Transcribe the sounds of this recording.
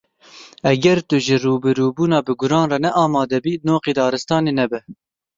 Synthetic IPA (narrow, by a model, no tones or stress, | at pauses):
ɛɡɛɾt̪ʊʒɪruːbɨɾuːbuːnɑːbɨɡʊɾɑːnrɑnɛʔɑːmɑːd̪ɛbiːnoːqeːd̪ɑːɾɨst̪ɑːneːnɛbɛ